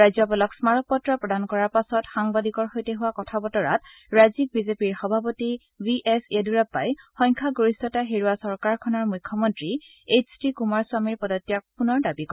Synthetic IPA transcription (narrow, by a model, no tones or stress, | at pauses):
ɹajzɔpɔlɔksmaɹɔk̚pɔtːɹapɹɔdankɔɹaɹpasɔtxaŋbadikɔɹxojteɦʊwakɔtʰabɔtɔɹa̰t | ɹajzik̚bizepiɹxɔbʱapoti | biʔeseduɹapːa̰jxɔjŋkʰaɡoɹisɔtaɦeɹuwasɔɹkaɹkʰɔnɔɹmujkʰːɔmɔntɹi | et͡ʃʰtikumaɹsʊamiɹpɔdɔtːijakpunɔɹdabikɔ